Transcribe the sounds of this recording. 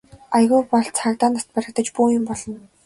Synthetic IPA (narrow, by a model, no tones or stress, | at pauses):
ajɣuːpɔɮt͡sʰakt̪aːnast̪̚pæɾə̆t̪ə̆t͡ɕpuːjʊmpɔɮɞ̆n